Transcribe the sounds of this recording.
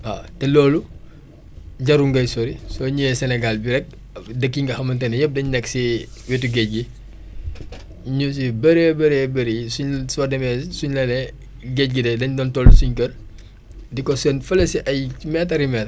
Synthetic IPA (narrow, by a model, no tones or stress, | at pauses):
a̰tɛlɔːlu | ɟɐɾuŋɡɐjsɔɾisɔɲujɛsɛnɛɡalbiɾɛk̚ | dəkːiŋɡɐxɐmɐntɐnɐjɛp̚dɐɲnɛkːsiwituɡɛc̚ɡi | ɲus̬ibɐɾebɐɾebɐɾiisuɲsuwɐdɐmɛsuɲlɐnɛ | ɡɛc̚ɡidɛdɐɲdɔntɔlusuɲkɐr | dikɔsɐnfɐlɐsiʔɐjmɛtɐɾimɛːt